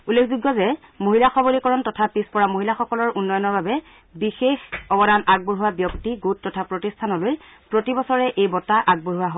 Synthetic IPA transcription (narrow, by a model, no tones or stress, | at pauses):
ulːekʰzuɡːɔzɛ | moɦilaxɔbolikɔɹɔntɔtʰapispɔɹamoɦilaxɔkɔlɔɹʔunːɔjɔnɔɹbabɛ | bixexɔbɔdanʔaɡ̚boɹɦʊwabjɔktiɡutːɔtʰapɹotistʰanɔloj | pɹotibɔsɔɹɛʔejbɔtaʔaɡ̚boɹɦʊwaɦo